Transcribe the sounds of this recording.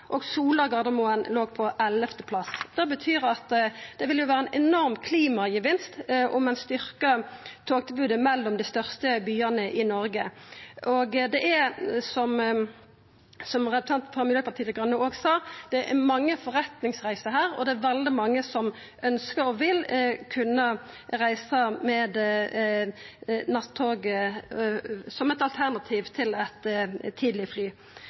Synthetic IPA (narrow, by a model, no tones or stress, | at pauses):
ʔɔɡsuːlɑɡɑd̪əmʊənloːɡpʰɔʔɛlɛft̪əpʰlɑsd̪̥ɛbət̪ʰyːɾɑt̪d̪̥ɛʋɪljʊʋæːɾəɛnʔɛnɔʁmkʰliːmɑɡəʋɪnst̪ʔʊmɛnst̪ʏɾkət̪ʰoːk̚t̪ʰɪbʉːd̪əmɛlːɔmd̪ɪst̪œʁst̪əbyːənəʔɪnɔɾɡəʔɔɡd̪ɛʔɛɾsɔm | sɔmʁɛət̪ʰɑnt̪pʰɔmɪljøːpʰɑʁt̪ʰiːləɡʁɑnːəoːɡsɑːd̪̥ɛʔɛ̰mɑŋːəfɔʁɛt̪nɪŋsʁæɪsəɦæːɾɔ̰d̪ɛæʋɛld̪ɪmɑŋːəsɔm | ʔœnskəɾɔʋɪlkʰʉnːə | ʁæɪsɑmɛːd̪ | nɑt̪ʰːoːɡə | sɔmɛt̪ɑlt̪ʰæʁnɑt̪ʰiːʋt̪ʰɪlɛt̪t̪ʰːiːd̪lɪəflyː